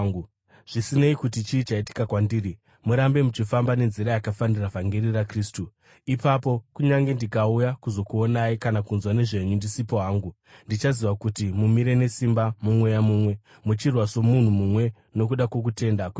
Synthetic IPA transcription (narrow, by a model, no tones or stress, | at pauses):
ʐ̥isine̞ikutit͡ʃiːt͡ʃaiti̥kakwandiːri | muɾambe̞mut͡ʃifambane̞nziɾajakafandiravaŋɡerirakriːstu | ipapo̞kuɲaŋɡe̞ndikaujakuzo̞kuonaikanakunzwane̞ʐe̞ɲundisipo̞ɦaːŋɡu | ndit͡ʃaziʋakutimumiɾe̞ne̞simbamumwe̞jamuːmwe̞ | mut͡ʃirwaso̞mun̤umumwe̞ | no̞kuɗakwo̞k̬utʰe̞ndaku